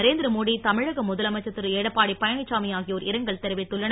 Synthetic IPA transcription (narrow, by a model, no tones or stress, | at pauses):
ɐɾeːnd̪ɾɐmoːɽit̪ɐmɪɻɐɣɐmʊðɐlɐmɐt͡ʃːɐt̪ːɯɾɯeːɽɐpːaːɽipːɐjɐɳɪt͡ʃːaːmɪjaːɣɪjoːɾɪɾɐŋɡɐɭt̪ɛɾɯʋɪt̪ːʊɭːɐɳ